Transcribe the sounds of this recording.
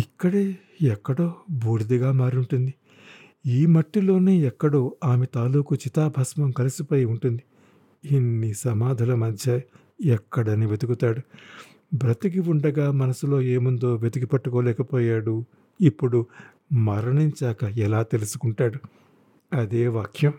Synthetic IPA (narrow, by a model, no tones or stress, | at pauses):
ikːɐɽeː | ɛkːɐɽo̞ːbʱuːɾd̪iɡaːmaːɾuɳʈund̪i | iːmɐʈːilo̞ːne̞ːɛkːɐɽoːaːmet̪aːluːkut͡ʃit̪aːbʱɐsmɐmkɐlisipɐjuɳʈund̪i | inːisɐmaːd̪ʱɐlɐmɐd̪ʱjɐ | ɛkːɐɽɐniʋe̞d̪ukut̪aːɽu | bɾɐt̪ikiuɳɖɐɡaːmɐnɐsulo̞ːeːmund̪o̞ːʋe̞d̪uɡipɐʈːukoːlɛːkɐpoːjaːɽu | ipːuɽu | mɐɾɐɳiɲt͡ʃaːkɐɛlaːt̪e̞lusu̥kuɳʈaːɽu | ɐd̪e̞ːʋaːkʰjɐm